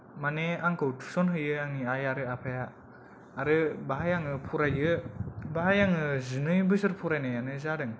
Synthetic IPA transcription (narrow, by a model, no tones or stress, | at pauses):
maneaŋkʰɯwtʰu̥sɔnɦɯjɯaŋniajaɾɯapʰajaː | ɾɯbaɦajaŋɯpʰuɾajɯbaɦajaŋɯzɯnɯjbɯzɯɾpʰuɾajnajanɯzadɯŋ